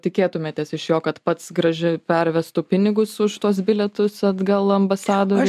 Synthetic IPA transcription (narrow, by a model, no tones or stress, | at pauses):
t̪ʲɪkʲeːt̪ʊmʲeːt̪ʲeːsɪʃjoːkɐt̪pɐt̪sɡɾɐʒʲɪpʲɛɾʲʋʲɛst̪ʊpʲɪnʲɪɡʊsʊʃt̪uɔsbʲɪlʲɛt̪ʊsɐd̪ɡɐlˠɐmbɐsɑːd̪oːɾ